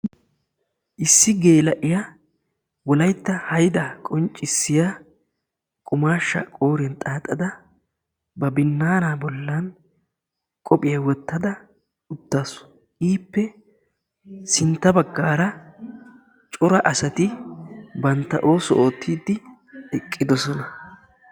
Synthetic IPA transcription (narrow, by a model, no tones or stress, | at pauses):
ʔɪsːɪɡeːlɐʔɪjɐ | wɔlɐjt̪ːɐhɐjd̪ɐkʼɔnt͡ʃʼːɪsːɪja | kʼʊmaːʃːɐ̰kʼo̞ːɾɛnt̪ʼaːt̪ʼːɐd̪ɐ | bɐbɪnːaːnaːbɔlːɐn | kʼɔpʼɪjɐwɔt̪ːɐd̪ɐ | ʊt̪ːaːsʊ̥ | ʔiːpːɛ | sɪnt̪ːɐbɐɡːaːɾɐ | t͡ʃʼʊɾɐʔɐsɐt̪ɪ | bɐnt̪ːɐ̰ʔo̞ːsɔʔoːt̪ʰːiːd̪ːɪ | ɛkʼːɪd̪ɔsɔnɐ